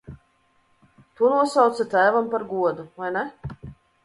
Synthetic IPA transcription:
t̪uɔnuɔsawt̪sat̪æːvampaɾɡuɔd̪uvajnɛ

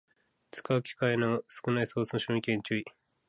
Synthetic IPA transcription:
t͡sɨ̥ka̟kʲi̥kainosɨ̥kɯ̟naisoːsɨnoɕõɲikẽɲt͡ɕɨi

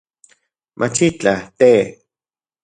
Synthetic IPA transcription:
mʔat͡ʃit͡ɬat̪e

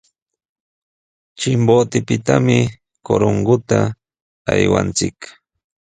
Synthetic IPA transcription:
t͡ʃɪmbot̪ɪpɪt̪amɪ | koɾoŋɡʊt̪a | ajwa̰nt͡sɪk

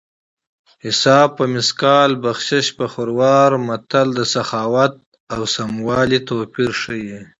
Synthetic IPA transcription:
hɪsɑːb̚pəmɪskɑːlbaxʃɪʃpəxʊɾwɑːɾmat̪ald̪əsaxɑːwat̪̚ | awsamwɑːlit̪oːpiɾʂəji

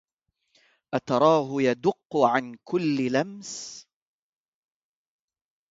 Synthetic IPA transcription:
ʔat̪ɑɾˤɑːɦʊjad̪ʊqːʊʕankʊlːɪlams

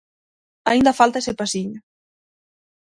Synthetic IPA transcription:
aind̪afalˠt̪aesepasiɲ

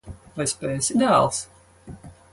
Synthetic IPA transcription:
vajspɛːsʲid̪æːlˠs

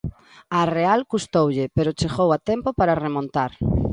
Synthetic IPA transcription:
arealkust̪owʎɪpeɾot͡ʃeɣowat̪ɛmpopaɾaremõnt̪aɾ

